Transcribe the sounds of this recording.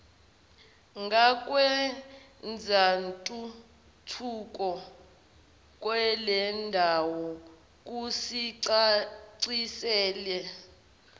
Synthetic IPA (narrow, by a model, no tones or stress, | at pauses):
ŋɡʱak̬ʼwɛ | nd͡zʱantʼu | tʰukʼɔ | k̬ʼwɛlɛndʱawɔ | k̬ʼusiǀaǀisɛːlɛ